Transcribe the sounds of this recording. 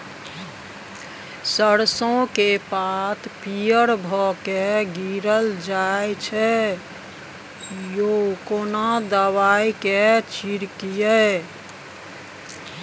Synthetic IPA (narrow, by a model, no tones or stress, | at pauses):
səɾsõkepat̪ʰpijəɽbʱɔkeɡiɾəld͡ʒaet͡ʃʰɛ | jokonad̪əwaiket͡ʃiɾkijə